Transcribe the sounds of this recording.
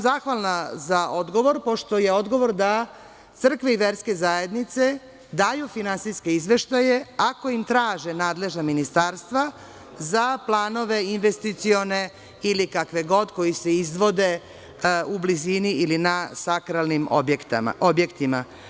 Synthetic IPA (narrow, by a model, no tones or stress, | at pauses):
zaxʋalnazaʔo̞d̪ɡoʋo̞ɾpo̞ʃt̪o̞je̞o̞d̪ɡo̞ʋo̞ɾd̪a | t̪sr̩kʋeiʋe̞ɾske̞zaje̞d̪nit̪se̞ | d̪aːjufinansiske̞izʋe̞ʃt̪aje̞ako̞imt̪ɾaːʒenaːd̪le̞ʒnaminist̪aɾst̪ʋa | zaplˠaːno̞ʋe̞inʋest̪it̪sio̞ne̞ | ilikakʋe̞ɡo̞d̪ko̞jise̞izʋo̞d̪e̞ | ubliziniilinasakɾalˠnim | obje̞kt̪ima